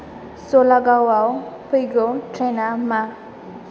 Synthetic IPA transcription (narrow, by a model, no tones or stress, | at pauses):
solaɡawawpəjɡotʰɾenama